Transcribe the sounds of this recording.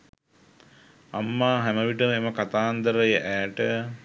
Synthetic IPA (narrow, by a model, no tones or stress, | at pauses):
a̰mːaːɦæməʋiʈəmeməkat̪aːnd̪əɾəjəʔæːʈə